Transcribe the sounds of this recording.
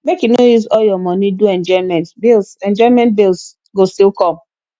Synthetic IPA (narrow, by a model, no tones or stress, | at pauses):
mekjunojusɔljɔmɔniduɛ̃nd͡ʒɔimɛ̃ntbilsɛ̃nd͡ʒɔimɛ̃nt̚bils | ɡostilkɔ̃m